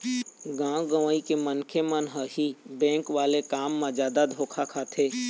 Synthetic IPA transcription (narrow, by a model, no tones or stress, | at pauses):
ɡãːɡəʋaːikemənkʰemənɦəhibɛ̃ːŋkʋaːlekaːmːãd͡ʒjaːd̪ad̪ʱoːkʰakʰaːt̪ʰeː